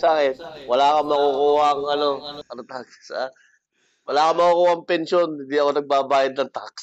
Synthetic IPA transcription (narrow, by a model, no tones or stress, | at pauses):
saːkɛnwɐlaːkɐmɐkukuːhɐʔŋɐno̞ɐnt̪aksʔa | wɐlaːkɐmɐkukuːhɐŋpɛnsonhɪnd̪iʔɐko̞nɐɡ̚baːbaːjɐd̪̚nɐŋt̪aks